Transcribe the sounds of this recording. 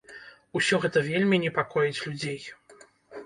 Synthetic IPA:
usʲɔɣɛt̪ɐvʲelʲmʲinʲɛpakʰɔjit͡sʲlʲud͡zʲej

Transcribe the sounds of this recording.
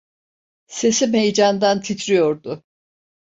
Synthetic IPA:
se̞simejd͡ʒand̪ant̪ʰit̪ʰɾijoɾd̪ʊ

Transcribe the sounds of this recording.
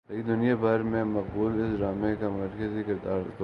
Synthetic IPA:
ɐid̪ʊnijabʱɐɾmẽmɐq̚buːlɪsɾaːmẽkamɐɾkəzikɪɾd̪aːɾt̪

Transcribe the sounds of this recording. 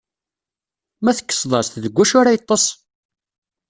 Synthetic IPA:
mæθə̥kːə̥sˤðˤɑɾsθðəɡʷːæʃʊɾajət̪ˤːɑsˤ

